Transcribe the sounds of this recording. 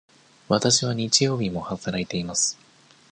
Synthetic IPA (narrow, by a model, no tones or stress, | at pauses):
βat̪aɕiβ̞aɲ̟it͡ɕijo̞ːbʲimo̞hat̪aɾaet̪e̞imasɨ̥